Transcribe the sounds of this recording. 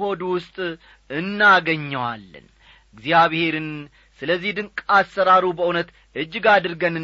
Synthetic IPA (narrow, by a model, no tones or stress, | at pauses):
o̞d̪uwʊst̪ʼ | ɨnːaɡəɲːəwa̰lːə̰n | ɨɡzjaβhe̞ɾɨn | sɨləzːihd̪ɨŋkʼasːəɾaɾubəʔunət̪ | ʔɨd͡ʒːɪɡad̪ɨɾɡənɨ